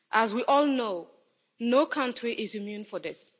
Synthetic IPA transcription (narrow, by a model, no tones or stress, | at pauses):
ʔazwiʔɔlˠno | nokʰãntɹiʔizumjũnfɔdɪs